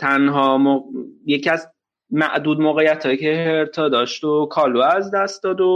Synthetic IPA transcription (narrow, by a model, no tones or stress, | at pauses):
t̪ʰænɦɒːmojecʰiæz | mæ̰ʔd̪uːd̪moːɣejːæt̪ʰhɒːjicʰeɦeɾt̪ʰɒːd̪ɒːʃt̪okʰɒːluːæzd̪æst̪̚d̪ɒːd̪o